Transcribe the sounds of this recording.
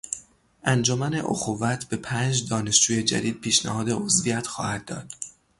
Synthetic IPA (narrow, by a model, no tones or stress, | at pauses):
ʔænd͡ʒomæne̞ʔo̰xuvæt̪ʰbe̞pʰæːnd͡ʒd̪ɒːne̞ʃd͡ʒuːje̞d͡ʒæ̰d̪iːd̪̥̚pʰiːʃnæhɒːd̪eozvijæt̪ʰxɒ̰ːhæd̪̥̚ːɒːd̪̥